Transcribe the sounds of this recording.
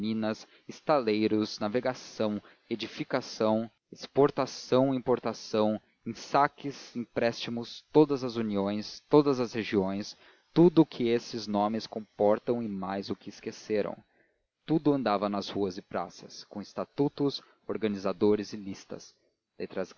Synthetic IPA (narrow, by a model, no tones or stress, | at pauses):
mĩnɐs | ɪst̪alejɾʊznaveɡasɐ̃w̃ | ed͡ʒifikasɐ̃w̃ | ɪspoɾt̪asɐ̃w̃ĩpoɾt̪asɐ̃w̃ | ẽsakɪzĩpɾɛst͡ʃimʊst̪od̪ɐzɐzuniõj̃st̪od̪ɐzɐsheʒiõj̃s | t̪ud̪ʊːkʰɪesɪznõmɪskõpɔɾt̪ɐ̃w̃ɪmajzʊkɪɪskeseɾɐ̰̃w̃ | t̪ud̪ʊɐ̃nd̪avɐnɐzhuɐzɪpɾa̰sɐskõw̃ɪst̪at̪ut̪ʊs | oɾɡɐnizad̪oɾɪzɪlist̪ɐ̰s | let̪ɾɐz